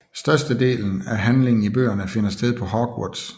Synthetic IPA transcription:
sd̥ɶɐsd̥əde̝̰ːln̩æɦænle̝ŋn̩ib̥ø̰ːɐnəfe̝nɐsd̥eð̞ˠpʰɒ̽ɦɒɡ̥wɔ̰d̥s

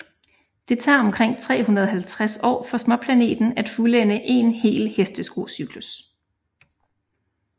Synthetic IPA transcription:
d̥e̝t͡sʰɑ̰̈ːɒ̽mkʰʁeŋ̰t͡sʰʁɛ̰ːɦunɐð̞ˠɦælt͡sʰʁasɒ̰ːfɒ̽smɒpʰlæne̝̰ːd̥n̩æd̥fulenəʔe̝nhe̝̰ːlhesd̥əsɡ̥o̝syɡ̥lus

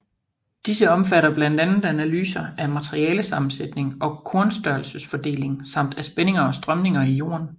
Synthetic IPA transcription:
d̥isəɒ̽mfæɾɐb̥læn̰d̥ænð̩ˠænælyːsɐæmæt͡sʰʁiɛːləsɑ̈mn̩sed̥ne̝ŋʔɒ̽kʰɔːnsd̥ɶɐlsəsfɒ̽d̥e̝̰ːle̝ŋsɑ̈m̰d̥æsb̥ene̝ŋɐɒ̽sd̥ʁɶmne̝ŋɐijo̝̰ːɐn

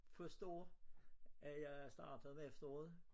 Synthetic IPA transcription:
fɒsd̥ɔ̰ː | ʔæjɑ̈ɪæsd̥ɑ̰̈ːd̥əð̩ˠmeefd̥ɐɔ̰ːð̩ˠ

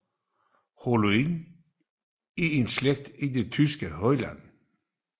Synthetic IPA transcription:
holuin | iensleɡ̥̚d̪̥id̪et̪ʰysɡ̥əhœʏlæ̰n

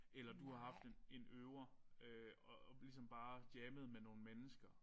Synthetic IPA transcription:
elɐd̥uhɑ̈ɦɑ̈fd̥e̝ne̝nøːʊɐøɒlisɒ̽mb̥ɑ̈ːd̥jeːməð̞̩ˠmeno̝ːn̩menəsɡ̥ɐ

